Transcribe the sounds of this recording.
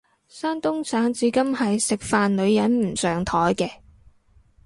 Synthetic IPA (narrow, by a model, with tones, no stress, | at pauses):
saː˥nt̪ʊ˥ŋsʰaː˨˥ŋt͡siː˨˧kɐ˥mhɐ˨jsɪ˨k̚faː˨nlɵ˨˧ɥjɐ˨˥nm̩˨˩sœː˨ŋt̪ʰɔː˨˥jkɛː˧